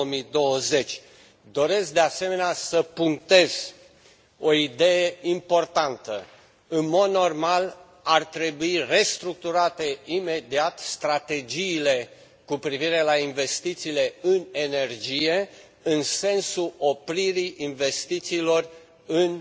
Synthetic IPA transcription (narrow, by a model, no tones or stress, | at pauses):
omid̪o̞wəze̞t͡ʃʲ | d̪o̞ɾe̞sk̚d̪e̞ase̞me̞neasəpuŋk̚t̪e̞z̥ | o̞id̪e̞jeimpo̞rt̪ant̪ə | ɨnmo̞d̪no̞rmal | art̪ɾe̞buire̞st̪ɾuk̚t̪uɾat̪e̞ime̞d̪iat̪st̪ɾat̪e̞d͡ʒiːle̞ | kupɾiviɾe̞lainve̞st̪it̪siːle̞ɨne̞ne̞rd͡ʒije̞ | ɨnse̞nsuʔo̞pɾiɾiʔinve̞st̪it̪siːlo̞r | ɨn